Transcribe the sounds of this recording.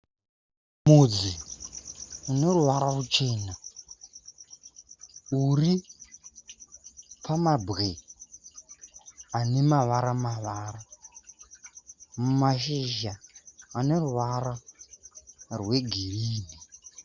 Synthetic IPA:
mud͡zi | uneruʋaɾaβut͡ʃeːna | uri | pʰamabɣe | anemaʋaɾamaʋaːɾa | mmaʃiʒaːneruʋaɾa | rweɡʱiɾiːni

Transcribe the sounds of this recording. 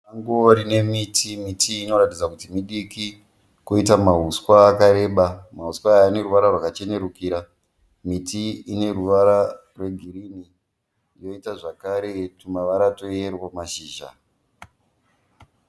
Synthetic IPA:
aŋɡoɾine̞mitʰimitʰiːno̞ɾatid͡zakutimiɗiki | koitamaɦuswaːkaɾe̞ːɓamaɦuswaːne̞ɾuʋaɾarwakat͡ʃe̞ne̞ɾukiːɾa | mitiːne̞ruʋaɾa | rwe̞ɡʱiɾini | jo̞itaʐakaɾe̞tumaʋaɾato̞erwamaʃiːʒa̰

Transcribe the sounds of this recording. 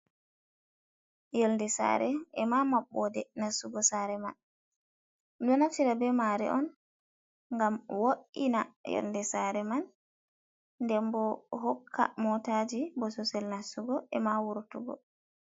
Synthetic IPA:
jɔldɛsa̰ɾɛɛmamaɓːɔdɛnasuɡɔsaɾɛma̰n | mdɔnaftiɾabɛmaɾɛ̰ʔɔn | ŋɡamwoʔinajɔ̰ldɛsaɾɛman | dɛmbɔɦɔkʰːa̰mɔtad͡ʒibɔsɔsɛlnasuɡɔʔɛmawuɾtuɡɔ̰

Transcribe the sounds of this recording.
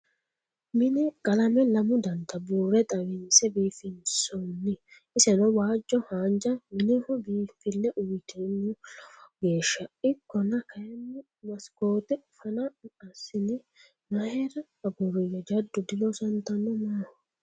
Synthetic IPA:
mɪnɛkʼɐlɐmɛlɐmʊd̪ɐnt̪ɐbuːrɛt̪ʼɐwɪnsɛbiːfɪnsɔnːɪ | ɪsɛnɔwaːd͡ʒːɔhaːnd͡ʒɐmɪnɛhɔbiːfɪlːɛʔʊjɪt̪ɛnːʊɡe̞ːʃːɐɪkːɔnɐkʰɐjɛnːɪ | mɐsko̞ːt̪ɛʊfɐnɐɐsːɪnɪ | mɐhɛɾɐːɡʊɾɔjɛd͡ʒɐd̪ːʊd̪ɪlɔsɐnt̪ɐnːɔmah

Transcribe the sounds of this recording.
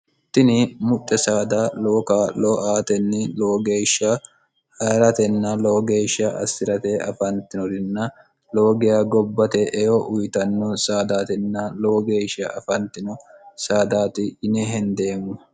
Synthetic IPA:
t̪ːɪnɪmʊt̪ʼːɛsaːd̪aːloːkaːlɔʔaːt̪ɛnːɪloːɡe̞ːʃɐ | hɐːɾɐt̪ɛnːɐloːɡeːʃɐʔɐ̰sːɪɾɐt̪ɛɐ̰fɐnt̪ɪnɔd̪ɪnːɐ | loːɡɪjaːɡɔbːɐt̪ɛʔɛjɔʔʊjt̪ɐnːɔsaːd̪aːt̪ɛnːɐloːɡe̞ːʃɐʔɐfɐnt̪ɪnɔsaːd̪aːt̪ɪɪnɛɦɛnd̪e̞ːmːɐ

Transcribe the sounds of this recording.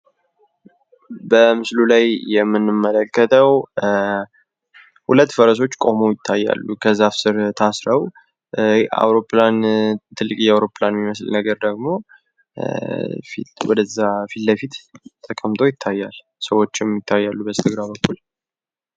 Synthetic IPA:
bəmɨslulajjɛmːɨnːɨmːələkːət̪ʼʰəw | hulət̪ːfəɾəs̬o̞t͡ʃːkʼo̞mo̞jɪt̪ʰːajːa̰lːukʰəzːafsɨɾt̪ʰasɾəw | ʔa̰wɾo̞plant̪ʰɨlːɨkʼjɛawɾo̞planmiməslnəɡəɾd̪əɡmo̞ | fḭt̪wɔd̪əzːafit̪ləfit̪t̪ʼʰːəkʼəmt̪ʰo̞jɪt̪ʰːajːal | səwo̞t͡ʃːɪmjɪt̪ʰːajːalːubəst̪ʰəɡɾaβəkːul

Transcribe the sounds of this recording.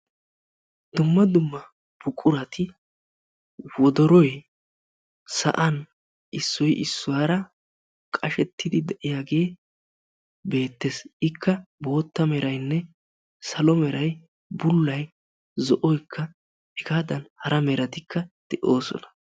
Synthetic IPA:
d̪̥ʊmːɐd̪ʊmːɐ | b̥ʊkʼʊɾɐt̪ɪ | wɔd̪ɔɾɔj | sɐ̰ʔɐn | ʔɪsːɔjʔɪsːʊwaːɾɐ | kʼɐʃɛt̪ːɪd̪ɪd̪ɛʔɪjaːɡe̞ː | be̞ːt̪ːe̞sɪkʰːɐbo̞ːt̪ːɐmɛɾɐjnːɛ | sɐlɔmɛɾɐj | bʊlːɐj | zɔʔɔjkʰːɐ | ɛɡaːd̪ɐnhɐɾɐmɛɾɐt̪ɪkʰːɐd̪̥ɛʔo̞ːsɔ̰nɐ̥

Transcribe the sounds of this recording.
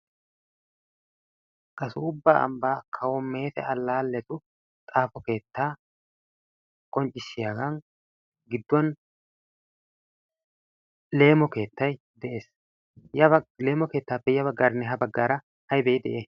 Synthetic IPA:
kʼɐsʊʊbːaːʔɐ̰mbaːkʰɐwɔmːe̞ːt̪ɛ̰ɐlːaːlːɛt̪ʊ | t̪ʼaːfɔke̞ːt̪ːaː | kʼɔnt͡ʃʼɪʃːɪjaːɡɐn | ɡɪd̪ːɔn | le̞ːmɔke̞ːt̪ːɐj | d̪ɛʔe̞ːs | jɐle̞ːmɔke̞ːt̪ːaːpːɛjɐbɐɡːaːɾnːɛɦɐbɐɡːaːɾɐ | hɐjbɛjd̪ɛʔeː

